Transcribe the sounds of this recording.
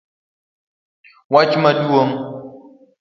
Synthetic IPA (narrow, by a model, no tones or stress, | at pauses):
wat͡ʃmaduwoŋ